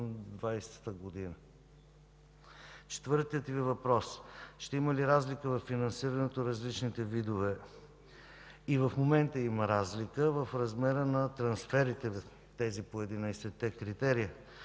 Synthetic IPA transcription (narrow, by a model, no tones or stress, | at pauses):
d̪vajst̪əɡod̪inə | t͡ʃɛ̥t̪vɤɾt̪iət̪vivɐpɾɔsʃt̪ɛiməliɾazlikəvɐfːinɐnsiɾənɛt̪oɾɐzlit͡ʃnit̪ɛvid̪ovɛ | ivɐfmomɛnt̪əiməɾazlikəvɐfɾɐzmɛɾənɐt̪ɾɐnsfɛɾit̪ɛ | t̪ɛzipoɛd̪inəjsɛt̪ɛkɾit̪ɛɾijə